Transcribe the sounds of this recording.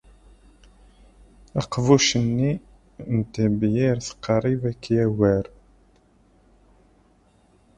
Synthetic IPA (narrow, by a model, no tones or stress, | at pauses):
æqvuʃənːi | nt̪əbjiɾθə̥qːəɾˤivækːjæwæɾ